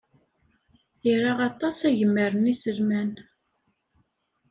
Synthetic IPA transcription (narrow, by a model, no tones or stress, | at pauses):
iɾaʁɑt̪ˤɑsæʝəmːəɾənisəlmæn